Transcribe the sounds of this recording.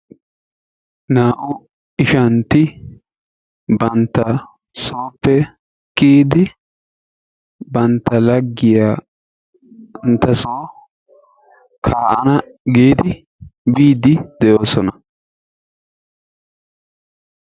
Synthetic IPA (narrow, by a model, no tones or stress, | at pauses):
naːʔʊ | ɪʃɐnt̪ɪ | bɐnt̪ːɐ | soːpːɛ | kʼːiːd̪ɪ | bɐnt̪ːɐlɐɡːɪjaː | nt̪ːɐsoː | kʰaːʔɐnɐɡiːd̪ɪ | biːd̪ɪd̪ɛjoːsɔnɐ